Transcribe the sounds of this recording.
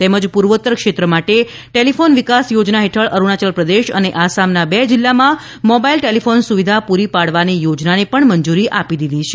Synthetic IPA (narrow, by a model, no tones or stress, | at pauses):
t̪eməd͡ʒpuɾʋət̪ːəɾkʃet̪ɾəmaʈe | ʈelifʰonʋikasjod͡ʒnaɦeʈʰəɭəɾuɳat͡ʃəlpɾəd̪eʃə̰neʔasamnabɛd͡ʒilːamã | mobailʈelifʰonsuʋid̪ʱapuɾipaɽʋanijod͡ʒnanepəɳməɲd͡ʒuɾiʔapid̪id̪it͡ʃʰe̥